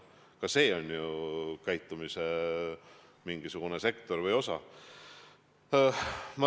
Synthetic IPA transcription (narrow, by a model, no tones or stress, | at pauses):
kɑse̞ːo̞nʲjukæjt̪ːˑumise | miŋɡ̥isuɡ̥unese̞kˑt̪o̞rvɤjo̞sɑ | mɑ